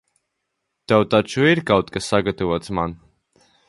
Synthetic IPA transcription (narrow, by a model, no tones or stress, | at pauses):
t̪ɛwt̪at͡ʃuiɾkawt̪kasːaɡat̪avuɔt̪sman